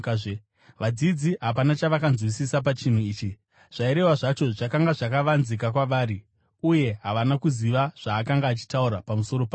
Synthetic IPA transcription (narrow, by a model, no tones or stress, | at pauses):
ʋad͡zid͡ziɦapanat͡ʃaʋakanzwisisap̬at͡ʃin̤uiːt͡ʃi | ʐ̥aiɾe̞waʐat͡ʃo̞ʐakaŋɡaʐakaʋanzik̬ak̬waʋaːɾi | uje̞ɦaʋanakuziʋaʐ̥aːkaŋɡaːt͡ʃi̥tauɾapamuso̞ɾo̞pa